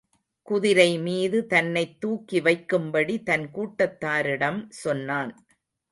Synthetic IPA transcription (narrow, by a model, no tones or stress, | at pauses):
kʊðɪɾɐɪmiːðɯt̪ɐnːɐɪt̪ːuːkːɪʋɐɪkːɯmbɐɽit̪ɐnkuːʈːɐt̪ːaːɾɪɽɐmsɔnːaːn